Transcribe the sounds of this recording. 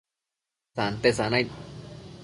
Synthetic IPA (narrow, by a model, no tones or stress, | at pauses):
sant̪esanaj